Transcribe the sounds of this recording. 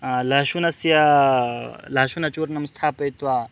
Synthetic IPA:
laːʃunɐsja | laːʃunɐt͡ʃuːɾnɐmɐst̪ʰaːpɐjt̪ʋaː

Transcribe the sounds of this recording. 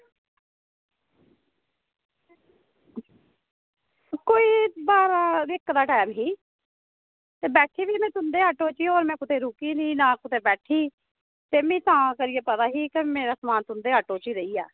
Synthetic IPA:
koːiːbaːɾãːɪkːd̪aːʈɛːmɦiː | t̪eːbɛːʈʰiːʋiːmɛ̃ːt̪ʊnd̪eːɦəʈoːt͡ʃiːoːɾmɛ̃ːkʊt̪ʰeːɾuːkiːnĩːnãːkʊt̪ʰeːbɛːʈʰiː | t̪eːmĩːt̪ãːkəɾɪjeːpət̪aːɦiːkemeːɾaːsəmaːnt̪ʊnd̪eːɦəʈoːt͡ʃiːɾəiːɛ̰ː

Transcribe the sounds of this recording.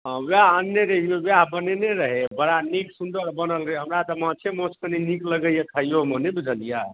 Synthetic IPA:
ɦʋaənjeɾəɦiebjaɦbəneneɾəɦebəɽaniksund̪əɾbənəlɾeɦəmɾat̪ɔmãt͡ʃʰemõskəninikləɡəjekʰəijomənebid͡ʒʱəlija

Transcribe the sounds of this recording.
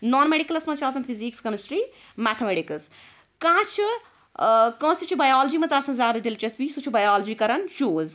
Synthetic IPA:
nɔːnmeɽikɐlɐsmɐt͡ʃʰaːt̪ɐnpʰizikskɐmisʈɾiː | mɛːtʰmeɖikɐs | kãːt͡ʃʰi | kə̃ːsit͡ʃʰibɐjaːld͡ʒiːmɐt͡saːsɐ̃nzaːd̪ɐdilt͡ʃɐsbisut͡ʃʰibɐjaːld͡ʒiːkɐɾɐnʃoːz

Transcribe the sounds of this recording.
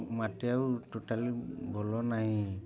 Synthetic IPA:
matɛawtotalibʱɔlɔnaɦĩ

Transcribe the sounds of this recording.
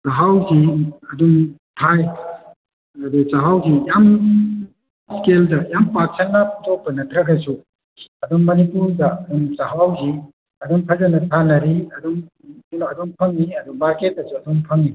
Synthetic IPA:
sɐɦawziɐdumtʰaj | ɐd̪ut͡ʃɐɦawzijam | skeldɐjampaɾ̚sʰɐlnaputʰok̚pɐnɐtɾɐɡɐsu | ɐduŋːɐnipuɾdɐɐduŋt͡ʃɐɦawzi | ɐdumpʰɐzɐnɐtʰanɐɾiɐduŋ | inoɐduŋpʰɐŋniɐduŋmaɾket̚ːɐsuɐduŋpʰɐŋni

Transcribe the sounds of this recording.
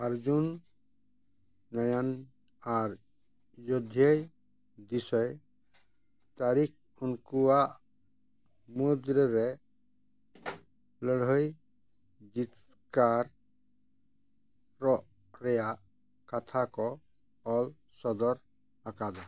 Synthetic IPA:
aɾd͡ʒun | ɔjan | aɾ | jɔd̪ʱjej | d̪isɔj | t̪aɾik̚ʰ | unkuaʔ | mud̪ɾɔɾɛ | lɔɽ̤ɔj | d͡ʒit̪ | kaɾ | ɾɔʔ | ɾɛjaʔ | kat̪ʰakɔ | ɔl | sɔd̪ɔɾ | akad̪a

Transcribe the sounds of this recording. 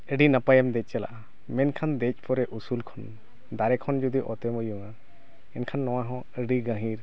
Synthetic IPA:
əɖinapajɛmd̪ɛc̚ˀt͡ʃɛla̰ʔa | mɛnkʰand̪ɛc̚ˀpʰɔɾɛʔusulkʰɔn | d̪aɾɛkʰɔnd͡ʒɔd̪iʔɔt̪ɛmujuŋa | ɛnkʰanːɔwaɦɔ̃ | əɖiɡãɦiɾ

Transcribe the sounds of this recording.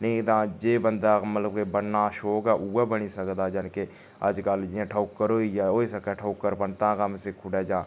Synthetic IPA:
nəĩd̪ãːd͡ʒeːbənd̪amət̪ləb̚kebənnaːʃoːɡaʔuːabənisəkd̪aːd͡ʒənke | əd͡ʒkald͡ʒiãʈʰaʊkːəɾoijaoːisəkɛʈʰaʊkːəɾpənt̪ãːkamsekʰʊɖɛd͡ʒãː

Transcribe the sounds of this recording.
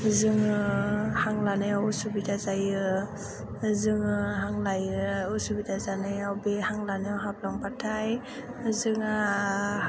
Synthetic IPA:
zɯŋɯhaŋlanɯjawusubitʰazajɯ | zɯŋɯɦaŋlajɯusubitʰazanɯjawbehaŋlanɯjawɦap̚laŋbatʰaj | zɯŋa

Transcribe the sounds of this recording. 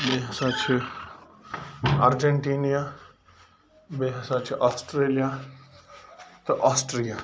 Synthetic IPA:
beːɦsãːt͡ʃʰ | aɾd͡ʒəɳʈiːnijaː | beːɦasãt͡ʃʰʔaːsʈɾeːlijaː | t̪ɐʔaːsʈɾijaː

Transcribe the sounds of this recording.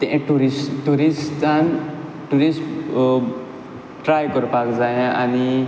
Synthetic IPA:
t̪ẽʔʈuɾisʈuɾisan | ʈuɾism | ʈɾajkɔɾpakd͡zajɛ̃ʔani

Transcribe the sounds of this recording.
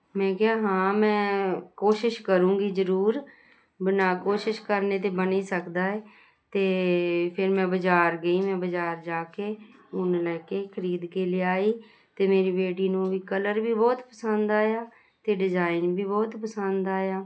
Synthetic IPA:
mɛ̃ːkeaːɦãːmɛ̃ːkoːʃɪʃkəɾũːɡiːzəɾuːɾ | bənaːkoːʃɪʃkəɾneːt̪̬eːbəniːsəkd̪aːɛː | t̪eːpʰɪɾmɛ̃ːbəd͡ʒaːɾɡəiːmɛ̃ːbəd͡ʒaːɾd͡ʒaːkeːʊnlɛːkeːkʰəɾiːd̪keːlɪaːiː | t̪eːmeːɾiːbeːʈiːnũːʋiːkələɾbiːbɔːt̪pəsənd̪aːjaː | t̪eːɖɪzaːɪnbiːbɔːt̪pəsənd̪aːjaː

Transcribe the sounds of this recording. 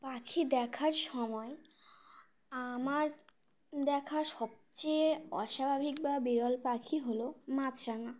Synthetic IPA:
pakʰid̪ɛkʰaɾʃɔmɔe | amaɾ | d̪ɛkʰaʃɔb̚t͡ɕejɔ̰ʃabʱabʱik̚babiɾɔlpakʰiɦolomat̪ʃaŋa

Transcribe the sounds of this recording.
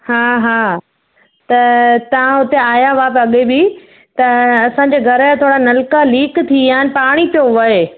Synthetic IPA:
haːɦaː | t̪ɐt̪ɐʋ̤ãɦʊt̪eaːjaʋaːpɐɠebɪ | t̪ɐɐsãɲd͡ʑeːɡʱɐɾt̪ʰoːɽanɐlkaliːkt̪ʰiaːɦɪnɪ̆paːɽ̃ipijoʋɐe

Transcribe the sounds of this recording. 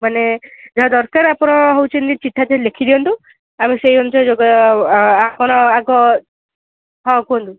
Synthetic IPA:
maned͡ʒɔɦad̪ɔɾkaɾapɔnɔɦowt͡ʃʰind̪it͡ʃiʈʰːat̪elekʰid̪iɔnt̪u | amisejɦont͡ʃʰɔd͡ʒɔɡɔ | akɔnɔaɡɔ | ɦɔ̃kuɔnt̪u

